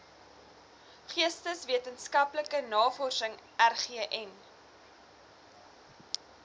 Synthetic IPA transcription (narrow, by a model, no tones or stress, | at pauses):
χiəstəsviətənskɐpləkənɑːfɔrsəŋʔærχiəʔɛn